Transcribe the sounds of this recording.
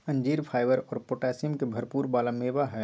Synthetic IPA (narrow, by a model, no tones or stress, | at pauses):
ɐ̃ɲd͡ʒiːɾpʰaːɪʋəɾɔːɾpoːʈɛːsɪmkebʱɐɾpuːɾbaːlameːʋaɦɛ